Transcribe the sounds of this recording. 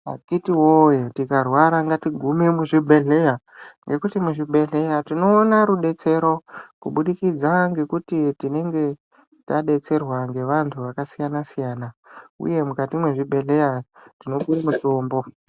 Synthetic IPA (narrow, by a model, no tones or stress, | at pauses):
a̰kitiwojetikarwaɾaŋɡatiɡʱume̞muʐibʱe̞ɮe̞ja | ŋɡe̞kutimuʐibʱe̞ɮe̞jatino̞ːnaɾuɗe̞t͡se̞ɾo̞kuɓuɗikid͡zaŋɡe̞kutitine̞ŋɡe̞ | taɗe̞t͡se̞rwaŋɡe̞ʋantʰuʋakasijanasijaːnaṵje̞mukatimweʐibʱe̞ɮe̞jatino̞kurimutoːmbo̞